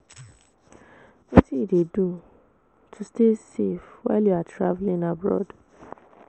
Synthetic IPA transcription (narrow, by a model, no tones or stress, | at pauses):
wotiːdedũ | tʰustesefwa̰ɪljuatʰɾavlĩnabɹɔ̰d